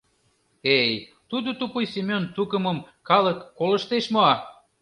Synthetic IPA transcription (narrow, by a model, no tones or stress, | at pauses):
ej | t̪ud̪ot̪upujsemʲont̪ukəməm | kɑləkːolə̆ʃt̪eʃmoɑ